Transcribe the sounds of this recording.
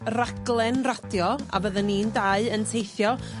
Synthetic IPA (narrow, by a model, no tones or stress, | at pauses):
raɡlˠɛnrad̥jɔa̰bəðənindaɨəntʰejθjɔ